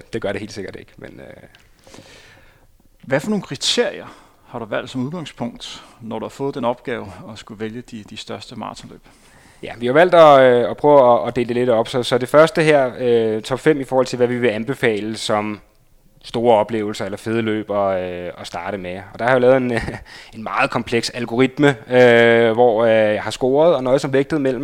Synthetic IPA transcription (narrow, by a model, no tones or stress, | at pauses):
d̥e̝ɡ̥ɶɐɾee̝̰l̥se̝ɡ̥ɐd̥e̝ɡ̥menø | ʋæfɒ̽no̝ːnkʰʁit͡sʰe̝ɐ̰ijɐ | hɑ̈ɾ̥uʋæl̰d̥sɒ̽muð̞ˠɡ̥ɑ̈ŋspʰɔ̽ŋ̰d̥nɒd̥uhɑ̈fɔ̽ːð̩̥ˠenɒ̽b̥ɡ̥ɛːʊɒ̽sɡ̥uʋeljəd̥id̥isd̥ɶɐsd̥əmɑ̰̈ːt͡sʰɒlø̰ːb̥ | jæʋihɑ̈ʋæl̰d̥ɒɒpʰʁœːʊːd̥e̝ːld̥e̝le̝d̥ɒ̽b̥sɒ̽sɒ̽de̝fɶɐsd̥əɦæɐ̰øt͡sʰɒ̽b̥fem̰ifɒːhɒl̰t͡sʰe̝lʋæʋiʋe̝ænb̥e̝fɛ̰ːləsɒ̽m | sd̥o̝ːɐɒ̽b̥le̝̰ːʊl̩sɐelɐfe̝ð̞ˠəlø̰ːb̥ɒ̽ɒ̽sd̥ɑ̈ːɾ̥əmeɒ̽d̥ɑ̈hɑjilɛːð̞̩ˠe̝ne̝nmɑ̈ːð̩ˠkʰɒ̽mpʰleɡ̥sælɡ̥o̝ʁid̥məøʋɒ̰jɑ̈ɪhɑ̈sɡ̥o̝̰ːɐð̞ˠɒ̽nɒ̽ɪðˠsɒ̽mʋeɡ̥̚d̥ð̩ˠmel̰m̩